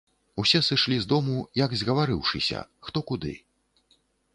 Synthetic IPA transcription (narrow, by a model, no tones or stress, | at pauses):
usʲɛsɨʂlʲizd̪ɔmujɐɡzʲɣɐvaɾɨwʂɨsʲɐ̰xt̪ɔkud̪ɨ̰